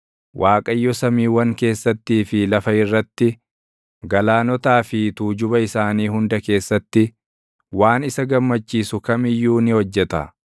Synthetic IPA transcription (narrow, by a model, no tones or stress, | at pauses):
wʔaːkʼɐjːɔsɐmiːwɐŋke̞ːsːɐt̪ːiːfɪlɐfɐɪrːɐt̪ːɪ | ɡɐlaːnɔt̪aːfɪt̪uːd͡ʒʊbɐɪsaːniːhʊnd̪ɐke̞ːsːɐt̪ːɪ | waːnɪsɐɡɐmːɐt͡ʃːiːsʊkɐmɪjːuːnɪhɔd͡ʒːɛt̪ɐ̰